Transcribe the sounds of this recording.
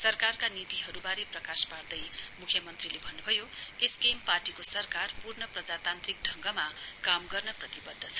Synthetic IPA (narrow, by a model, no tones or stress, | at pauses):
sʌrkarkanit̪iɦʌɾubaɾeprʌkaspard̪ʌjmukʰjʌmʌnt̪rilebʱʌnːubʱʌjoeskemparʈikosʌrkarpurnʌprʌd͡zat̪ant̪rik̚ɖʱʌŋɡʌmakamɡʌrnʌprʌt̪ibʌd̪ʱːʌt͡sʰʌ̥